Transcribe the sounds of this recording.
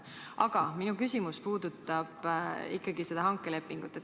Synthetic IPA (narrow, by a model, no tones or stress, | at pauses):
ʔɑɡ̥ɑminukysʲimuspuːd̪̥ut̪ːˑɑb̥ikːˑɑɡ̥ise̞d̪̥ɑɦɑŋkːˑele̞pːˑiŋɡ̥ut̪ːˑet̪